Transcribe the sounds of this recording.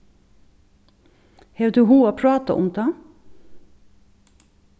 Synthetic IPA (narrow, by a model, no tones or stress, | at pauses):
heːd̪ʉːhuːoːpʰɹɑːt̪ɑ̰ʔʊ̰md̪ɑː